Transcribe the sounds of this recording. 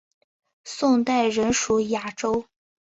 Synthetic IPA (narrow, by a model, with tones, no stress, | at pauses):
sʊ˥˧ŋt̪a˥˩ɪɻə˧˥nʂu˧˥ja˥˩ʈ͡ʂo˥ʊ